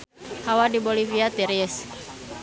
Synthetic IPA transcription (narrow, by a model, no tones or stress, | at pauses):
hawadiboliviat̪ɛɾiɛs